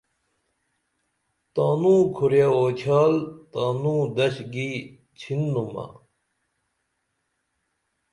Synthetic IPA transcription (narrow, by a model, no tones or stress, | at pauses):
t̪aːnũːkʰuɾjaoːt͡ɕʰaːlt̪aːnũːd̪ɐɕɡi | t͡ɕʰinːumɐ̰